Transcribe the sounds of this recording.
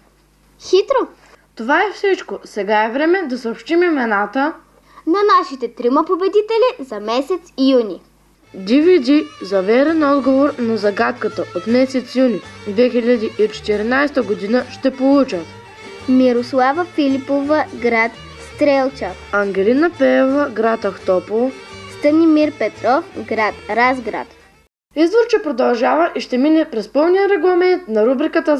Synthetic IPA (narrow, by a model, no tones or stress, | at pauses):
xit̪ɾo | t̪ovaɛfsit͡ʃkosɛɡaɛvɾɛmɛd̪ɐsəopʃt̪imimɛnat̪ə | nɐnaʃit̪ɛt̪ɾimɐpobɛd̪it̪ɛlizɐmɛsɛt̪sijunʲi | d̪ivid̪izɐvɛɾɛnɔd̪ɡovoɾnɐzɐɡat̪kət̪əʔot̪mɛsɛt̪sjunid̪vɛxiʎʲad̪iʔit͡ʃɛ̥t̪ɛɾinajst̪əɡod̪inəʃt̪ɛpolˠut͡ʃət̪ | miɾoslˠavəfilʲipovəɡɾat̪ | st̪ɾɛlˠt͡ʃa | ɐŋɡʲɛlinəpɛvəɡɾat̪ɐxt̪ɔpolˠst̪ənimiɾpɛt̪ɾɔfɡɾat̪ɾazɡɾa̰t̪ | izd̪voɾt͡ʃɛpɾod̪ɐlˠʒavɐʔiʃt̪ɛminɛpɾɛspəlˠnijəɾɛɡlˠɐmɛnt̪nɐɾubɾikət̪ə